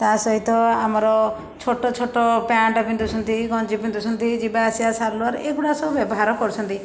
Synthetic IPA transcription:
t̪asɔɦit̪ɔamɔɾɔ | t͡ʃʰoʈɔt͡ʃʰoʈɔpaɳʈɔpind̪usʰɔnt̪iɡɔ̃nd͡ʒipind̪usʰɔnt̪id͡ʒibaːsiasaɾluaɾeʔeɡuɽasɔbubjɔbɔɦaɾɔkɔɾut͡ʃʰɔnt̪i

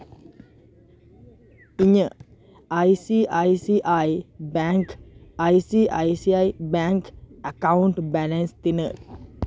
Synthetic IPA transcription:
iɲə̃ | ʔajsiʔajsiʔajbaŋkajsiʔa̰jsiajbaŋkʔakawuntbalə̃nst̪inə

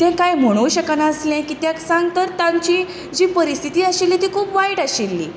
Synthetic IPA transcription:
t̪ɛ̃kajm̤əɽ̃uːɕəkanaəslɛ̃kiːt̪jaksãŋɡt̪əɾt̪ãɲt͡ɕi | d͡ʑiːpəɾist̪ʰit̪iːaɕilːit̪ikʰuːpʋajʈaɕilːḭː

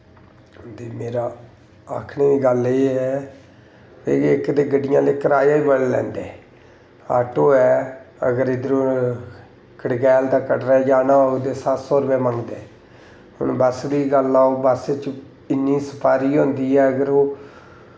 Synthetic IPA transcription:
ɦʊnd̪eːmeːɾaː | aːkʰneːʋiːɡəleːɦɛː | eːɪkd̪eːɡəɖɪjãːleːkəɾaːjaːiːbəllɛ̰̃ːnd̪eː | a̰ːʈoːɛːə̰ɡəɾɪd̪əɾo | kəɽɡɛːld̪aːkəʈɾɛːd͡ʒaːnaːod̪eːsatsɔːɾbɛːmə̃ŋɡd̪eː | ʊ̰nbəsd̪iːɡəlaːobaset͡ʃ | ɪnːiːsə̥pʰaːɾiːɦõːnd̪iːɛːəɡəɾoː

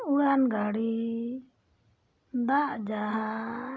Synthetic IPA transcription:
uɽanɡaɽi | d̪aʔd͡ʒaɦa

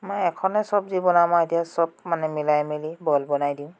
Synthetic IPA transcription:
mɔjɛkʰɔnɛsɔbzibɔnamaetijasɔb̚manɛmilajmilibɔlbɔnajdiʊ̃

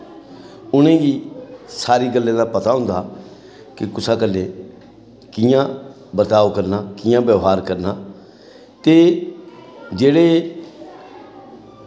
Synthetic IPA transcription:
ʊnẽːɡiːsaːɾiːɡəlːẽːd̪aːpət̪aːɦʊ̃nd̪aː | kɪkʊsaːkəlːẽː | kɪːjãː | bəɾt̪aːʋkəɾnaːkɪjãːbjəːɦaːɾkəɾnaː | t̪eː | d͡ʒeːɽeː

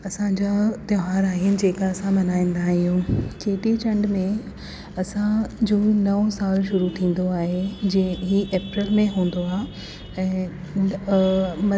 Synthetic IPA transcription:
ɐsãɲd͡ʑat̪ɐɦaːɾaːɦiənɪ̆d͡ʑeːkaɐsãmɐnaːĩːn̆d̪aɦijũːkeːʈ̪it͡ɕɐ̃ɳɖmẽ | ɐsãd͡ʑuːnɐʋosaːlʃʊɾut̪ʰĩːn̆d̪oaːɦed͡ʑĩɦiʔeːpɾəlmẽɦũːn̆d̪oaː | ɛ̃ː | mɐ

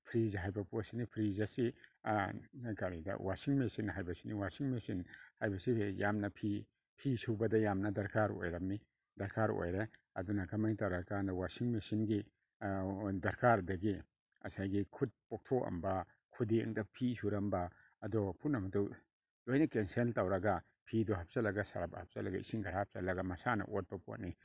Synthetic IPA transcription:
pʰɾizɦajbɐposinipʰɾizɐsi | ajkaɾidɐ̰wasiŋmesinɦajbɐsiniwasiŋmesinhajbɐsijamnɐpʰi | pʰisubɐdɐjamnɐdɐɾkaɾo̰jɾɐmːi | dɐɾkʰaɾo̰jɾe | ɐ̰dunɐkɐmajtaɾɐkanɐwasiŋmesinɡi | dɐɾkaɾdɐɡi | ɐ̰sajɡikʰut̚pok̚tʰoɐ̰mbɐ | kʰudiɐ̰ŋdɐpʰisuɾɐmbɐ | ɐdɔpʰunɐmɐtu | lojnɐkensenltawɾɐɡa | pʰidɔɦɐp̚zɐlɐɡɐsɐ̰ɾabɐhɐp̚zɐlɐɡɐḭsiŋɡɐɾahp̚zɐ̰lɐɡɐmɐsanɐ̰ʔot̚pɐpo̰t̚ni

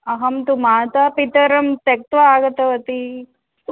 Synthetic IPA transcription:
ɐɦɐmt̪umaːt̪apit̪ɐɾɐmt̪ek̚t̪ʋɐaːɡɐt̪ɐʋɐt̪i

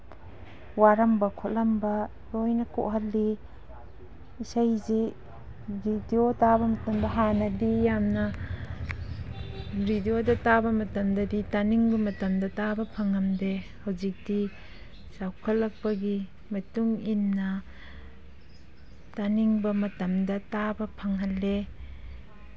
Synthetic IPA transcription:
waɾɐmbɐkʰolɐmbɐ | ɾojnɐko̰ʔɦɐlːi | isajzi | bidiotabɐmɐtɐmdɐɦanɐdijamnɐ | ɾidiodɐtabɐmɐtɐmdɐditaniŋbɐmɐtɐmdɐtabɐpʰɐŋɐmdehɐwzik̚di | sawkʰɐlːɐk̚pɐɡi | mɐtuŋinːɐ | taniŋbɐmɐtɐmdɐtabɐpʰɐŋɦɐlːe

